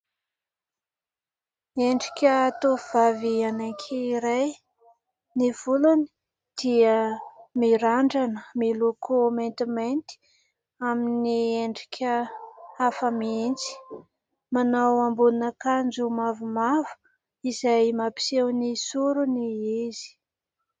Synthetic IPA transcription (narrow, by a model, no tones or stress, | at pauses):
eɳɖ͡ʐikʲət̪ovavianakʰʲiːɾaj | nivuluni̥ | d̪̥iəmiɾaɳɖ͡ʐanəmilokʰoment̪iment̪i̥ | aminieɳɖ͡ʐikʲʰəafəmient͡si̥ | manawambunəkand͡ʒumavumavu̥ | izajmapi̥sewnisuɾuniizi̥